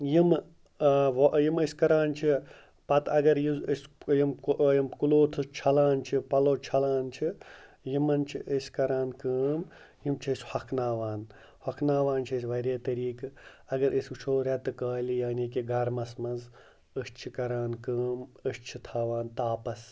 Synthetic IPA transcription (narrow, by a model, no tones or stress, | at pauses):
jim | ʋjiməsʲkɐɾaːnt͡ʃʰi | pɐt̪ʰɐɡɐɾjizəsʲjimjimkuloːt̪ʰɨt͡ʃʰɐlaːnt͡ʃʰipɐloːt͡ʃʰɐlaːnt͡ʃʰi | jimɐnt͡ʃʰiʔəsʲkɐɾaːnkəːm | jimt͡ʃʰiːsʲhɐkʰnaːʋaːn | hɐkʰnaːʋaːnt͡ʃʰiːsʲʋɐɾeːt̪ɐɾiːkɨɐɡɐɾʔəsʲut͡ʃʰoːɾʲɐt̪ɨkaːlijaːniːkiɡɐɾmɐsmɐnz | əst͡ʃʰikɐɾaːnkɨːməst͡ʃʰit̪ʰaːʋaːnt̪aːpɐs